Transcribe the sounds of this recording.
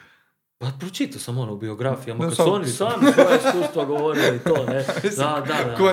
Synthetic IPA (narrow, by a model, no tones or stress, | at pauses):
papɾot͡ʃit̪asamonoubioɡɾafijamakasuonisaːmojesust̪ʋaɡoʋoɾiloit̪oːned̪ad̪ad̪ako